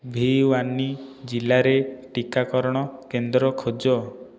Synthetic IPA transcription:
bʱiwanːid͡ʒilaɾeʈikakɔɾɔɽ̃ɔkend̪ɾɔkʰod͡ʒɔ

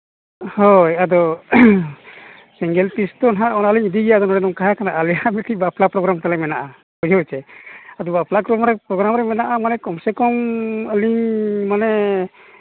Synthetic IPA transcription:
hɔjad̪ɔ | sɛŋɡɛlpist̪ɔnɦaʔɔnaəliɲd̪iɡɛjad̪ɔnɔɽɛnɔŋkaɦakanaʔalɛjamɛt̪ibaplapɾɔɡɾamt̪alɛmɛnaʔa | kɔd͡ʒʱɔwt͡ʃɛad̪ɔbaplakɾɔmɾɛpɾɔɡɾamɾɛmɛnaʔamanɛkɔmsɛkɔməliɲmanɛ

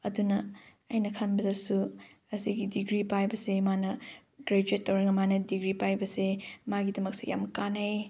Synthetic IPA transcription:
ɐ̰dunɐ | ɐjnɐkʰɐnbɐdɐsu | ɐsiɡidiɡɾipajbɐsemanɐ | ɡ̥ɾed͡ʒuetːɐwɾɐŋɐmanɐdiɡɾipajbɐsemaɡidɐmɐk̚seja̰mkanɐj

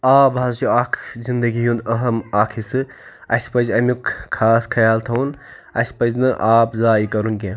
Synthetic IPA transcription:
aːbaːzt͡ʃuaːkʰzind̪ɐɡijunɐɦɐmaːkʰisɨ | ɐspɐzɐmukkʰːaːskʰɐjaːlt̪ʰɐun | ɐ̰sʲpɐznɨʔaːpzaːikɐɾunkʲẽː

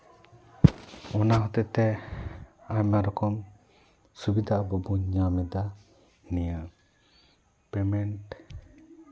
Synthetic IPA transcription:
ɔnaɦɔt̪ɛʔt̪ɛ | aɲmaɾɔkɔm | subid̪aʔbɔbuɲamɛd̪a | nijə | pɛmɛnʈ

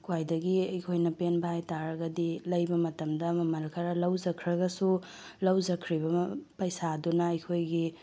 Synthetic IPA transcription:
kwajdɐɡiɐjkʰojnɐpenbɐhajtaɾɐɡɐdilɐjbɐmɐtɐmdɐːmɐmɐɾɐkʰɐɾɐlɐwd͡ʒɐkʰɾɐɡɐsu | lɐwd͡ʒɐkʰɾiβɐpɐjsadunɐɐjkʰojɡi

